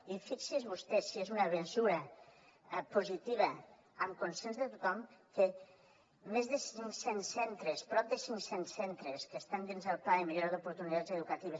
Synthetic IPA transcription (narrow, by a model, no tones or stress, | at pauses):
ifiksizβust̪ɛsiezunaβenzuɾɐ | puzit̪iβɐ | əmkunsenzðət̪ut̪ɔmke | mezðəsiŋsensent̪ɾəspɾɔp̚d̪əsiŋksensent̪ɾəskəst̪and̪inzðəlˠpaimiʒuɾaðupuɾt̪unit̪azeðukɐt̪iβ̞əs